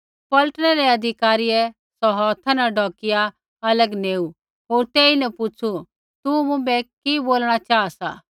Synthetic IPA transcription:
pɐlʈɽɛɾɛɐd̪ʱɪkaːɾiɛ | sɔɦɔːt̪ʰanaɖɔːkɪja | ɐləɡneːu | ɦoːɾt̪eːinɛpʊt͡sʰu | t̪umʊ̃bɛkiboːlɽ̃at͡ʃaːasa̰ː

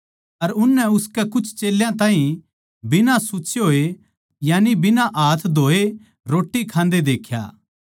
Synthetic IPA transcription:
ɐɾʊnːɛʊskɛkʊt͡ʃʰt͡ʃeːljãt̪ãːɦĩ | bɪnasʊːt͡ʃʰeɦoːe | jaːnibɪnãʔaːt̪ʰd̪ʱoːe | ɾoːʈːikʰãːnd̪ed̪eːkʰja̰ː

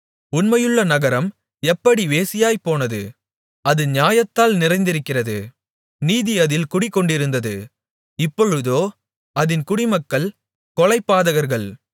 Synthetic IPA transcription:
ʊnmɐjɯɭːɐnɐɣɐɾɐm | ɛpːɐɽiʋeːsɪjaːjpːoːnɐðɯ̰ | ɐðɯɲjaːjɐt̪ːaːlnɪrɐɪnd̪ɪɾɯkːɪrɐðɯ | niːðɪɐðɪlkʊɽɪkːɔɳɖɪɾɯnd̪ɐðɯ̰ | ɪpːɔɻɯðoː | ɐðɪnkʊɽɪmɐkːɐɭ | kɔɭɐɪpːaːðɐɣɐɾɣɐɭ

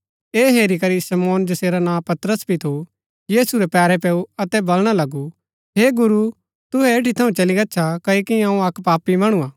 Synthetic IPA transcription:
eːɦeːɾikɐɾisɐmɔːnd͡ʒɐseːɾanãːpɐt̪ɾəsbʱit̪ʰo | jiːsuɾɛpɛːɾɛpɛːuɐt̪ɛbɐlɽ̃alɐɡu | ɦeːɡʊɾu | t̪ʊɦɛeːʈit̪ʰɐũt͡ʃɐliɡɐːt͡ʃʰakɐikiɐ̃ũɐkpaːpimɐɽ̃ũaː

